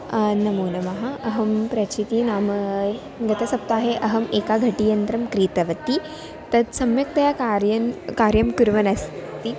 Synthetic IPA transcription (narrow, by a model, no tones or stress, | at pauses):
nɐmuːnɐmɐɦaɐɦɐmpɾɐt͡ɕit̪inaːm | ɡɐt̪ɐsɐp̚t̪aːɦeʔɐɦɐmeːkaɡʱɐʈijɐnt̪ɾɐmkɾiːt̪ɐʋɐt̪ːi | t̪ɐd̪sɐmjɐk̚t̪ɐjakaɾjɐnkaːɾjɐmkuɾʋɐnɐst̪i